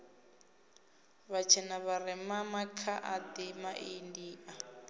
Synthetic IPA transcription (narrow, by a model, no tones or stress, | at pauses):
βat͡ʃʰɛnaβarɛmamakʰaʔad̪imaʔindiːʔa